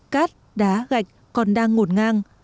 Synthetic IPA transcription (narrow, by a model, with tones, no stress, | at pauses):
kaː˦˥t̚ | ɗaː˨˦ɣa˨˩jk̟̚ | kɔ˨˩nɗaː˧ŋːo˨˩nŋaː˧ŋ